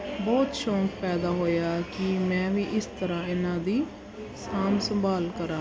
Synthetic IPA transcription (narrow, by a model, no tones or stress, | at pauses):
bɔːt̪ʃɔ̃ːkpɛːd̪aːɦoːjaːkɪmɛ̃ːʋiːʔɪst̪əɾãːɪnãːd̪iː | saːmsəmbaːlkəɾãː